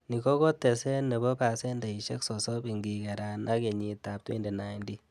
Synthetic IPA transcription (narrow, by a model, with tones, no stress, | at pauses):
ni˨kɔ˦kɔ˦tɛ˨sɛ˦ne˨bɔ˦pa˨sɛ˦nda˨i˨ʃɛ˦ksɔ˨sɔ˦bi˨ŋɡi˨kɛ˨ɾa˨nʔa˦ke˨ɲi˨ta˨p̚twḛ˦nde˨na˨indi˦